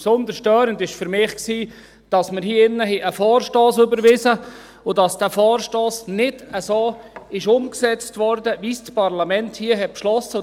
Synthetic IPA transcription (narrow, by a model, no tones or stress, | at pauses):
psond̪əɾʃtœːɾəndɪʃfʏɾmɪχksiː | d̥ɑsməɾhiːɪnːəɦɛʔəfɔːrʃtoːsʏbəɾʋɪzə | ʊdɑsd̥æfɔːrʃtoːsnɪdəsoːɪʃʊmksɛt͡stʋɔɾdəʋiːst͡spɑɾlɑmɛnthiəɦɛt̚pʃlɔsə